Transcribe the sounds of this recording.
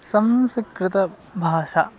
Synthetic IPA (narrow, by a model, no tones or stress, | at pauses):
sɐmsikɾɪt̪ɐ | bʱaːʃaː